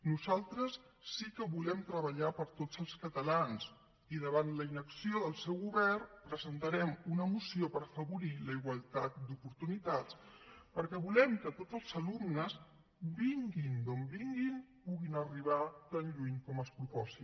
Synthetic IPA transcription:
nuzalˠt̪ɾəsː | ikəβulɛmt̪ɾəβəʎapəɾt̪od͡zəlˠskət̪əlans | iðəβant̪ləinəksioðəlˠsɛwɣuβɛrpɾəzənt̪əɾɛmunəmusiopəɾəfəβuɾiləiɣwəlˠt̪at̪̚d̪upuɾt̪unit̪at͡s | pəɾkɛβulɛmkət̪od͡zəlˠzəlumnəs | biŋɡind̪ombiŋɡinpuɣinəriβ̞at̪anʎuɲkɔməlˠspɾupɔsi

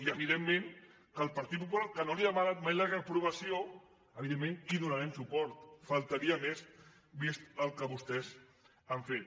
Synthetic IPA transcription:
iəβiðemːẽŋ | kəlˠpaɾt̪it̪̚pupulaɾkənoliðəmaɾamajlaɣəpɾuβɐsio | əβiðemːẽŋiðunaɾɛmsupɔɾt̪fəlˠt̪əɾiəmez | βisəlˠkəβust̪ɛz | aɱfet̪̚

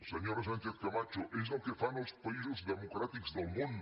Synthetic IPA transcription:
seɲoɾs̬ãnkeθkamat͡ʃʊʔez̬okefanospaizezðemokɾat̪ikʊ̥zðɐmũnd̪

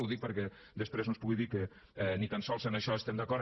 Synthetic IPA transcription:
wðik̚pəɾkɛ | d̪əspɾeznospuɣiðikə | ɛnit̪ansɔlˠsənəʃɔəst̪ɛmd̪ɐkɔɾ

